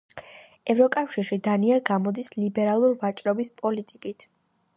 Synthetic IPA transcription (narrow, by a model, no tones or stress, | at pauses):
ɛvɾɔkʼafʃiɾʃid̪aniaɾɡamɔd̪islibɛɾalˠuɾvat͡ʃʼɾɔbispʼɔlit̪ʼikʼit̪ʰ